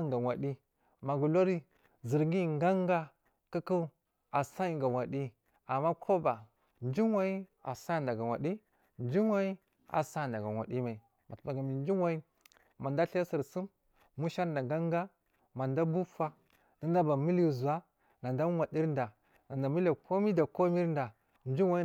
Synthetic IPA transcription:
ŋɡa˨wa˨ɗi˦ | ma˨ɡu˨lo˦ɾi˦ | zi˨ɾŋɡi˦˨ŋɡa˦ŋɡa˦ | kə˦ku˦ | a˨sa˦i˨ɡa˨wa˨ɗi˦ | a˨mːa˦kʰo˦ba˨ | nd͡ʒi˦wa˦i˦a̰˨sa˦˨nda˨ɡa˨wa̰˨di˦ | nd͡ʒi˦wa˦i˦ | a̰˨sa˦˨nda˨ɡa˨wa̰˨ɗi˦ma˨i˨ | ma˨tba˨ɡa˨mi˨n˦d͡ʒi˦wa˦i˦ | ma˨nda˦ɬe˦si˨ɾsi˦m | mu˦ʃa˦ɾnda˨ŋɡa˦ŋɡa˦ | ma˨nda˦bu˦fa˦ | na˨nda˦ba˨mi˦li˦˨zu˨wa˦ | na˨nda˦wa˨di˦ɾn˦da˨ | na˨nda˨mi˦la˨kʰo˦mi˦da˨ko˦mi˦ɾn˦da˨ | n˦d͡ʒi˦wa˦˨i˦

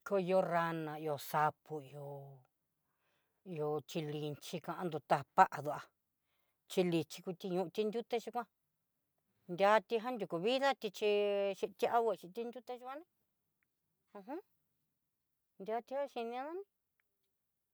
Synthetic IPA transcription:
ko˧i˧o˧ra˧nã˨i˧o˧sa˧pu˧i˧o˧ | i˧o˧t͡ʃi˧li˧nt͡ʃi˧kã˧ʔã˧nd̪u˧t̪a˧a˧pa˦ʔa˨ðu˧a˧ | t͡ʃi˧li˧t͡ʃi̥˧ku˧t̪i˧ɲũ˧t̪i˧nd̪ʲu˦t̪e˦t͡ʃi˧kʷã˦ | nd̪ʲa˧t̪i˧ɦã˦nd̪ʲu˨ku˧˨βi˦ða˦t̪i˧t͡ʃi˧ʃi˧t̪i˦ʔa˦βo˧t͡ʃi˧t̪i˧nd̪ʲu˦t̪e˦ʒu˦kʷã˦nẽ˦˧ | hɦũ˦ | nd̪ʲa˧t̪i˧ha˦ʃi˧nĩ˧a˦ða˦nĩ˧

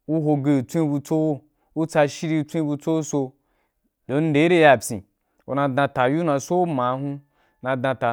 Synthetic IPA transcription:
u˦ɦo˧ɡe˧˨t͡sʷĩ˦bu˧t͡so˦wo˦ | u˦t͡sa˧ʃi˦ɾi˧t͡sʷĩ˦bu˧t͡so˦u˦so˧ | do˨n̩˦de˨˦ɾe˦ja˨pʲḭ̃˨ | o̰˨nã˧dã˧ta˨ju˦nã˧so˦mã˨˦ɦũ˦ | nã˧dã˧ta˨

